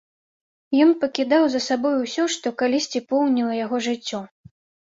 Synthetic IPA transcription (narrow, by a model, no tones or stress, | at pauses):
jɔnpɐkʲid̪awzɐsabɔjuwsʲɔʂt̪ɔkalʲisʲt͡sʲipɔwnʲilˠɐjaɣɔʐɨt͡sʲːɔ